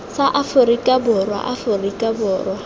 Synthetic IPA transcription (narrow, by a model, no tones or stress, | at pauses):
saʔafʊrikʼabʊrwa̰ʔafʊrikʼabʊːrwa